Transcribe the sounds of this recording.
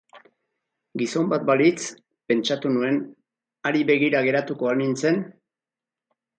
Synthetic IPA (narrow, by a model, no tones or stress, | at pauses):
ɡiso̞mbat̪̚balit͡s | pe̞nt͡ʃat̪unue̞n | aɾiβe̞ɣ̞iɾaɣe̞ɾat̪uko̞almint͡se̞n